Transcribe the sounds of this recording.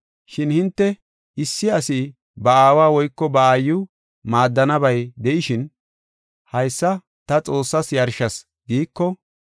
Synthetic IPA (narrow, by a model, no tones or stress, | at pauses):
ʃɪnhɪnt̪ːɛ | ɪsːɪɐsɪ | bɐaːwaːwɔjkːɔbɐaːjːʊ | maːd̪ːɐnɐbɐjd̪ɛʔɪʃɪn | hɐjsːɐ | t̪ɐt͡sʼo̞ːsːɐsjɐɾʃɐs | ɡiːkːɔ